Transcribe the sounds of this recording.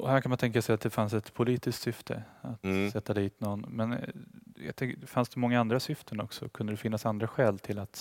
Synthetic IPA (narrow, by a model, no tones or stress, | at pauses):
ɔhæɾkʰanmant̪ʰɛŋkasɛjat̪̚d̪ɛfansɛt̪pʰʊliːt̪ɪsk̚t̪sʏft̪ʰə̰at̪sɛt̪ːad̪iːt̪nɔnːmɛnjɑ̰ɡt̪ʰɛfansd̪ɛmɔŋːaand̪ɾasʏft̪ʰənɔksɔ̰kʰɵnd̪əd̪ɛfɪnːasand̪ɾaɧɛːlt̪ʰɪlat̪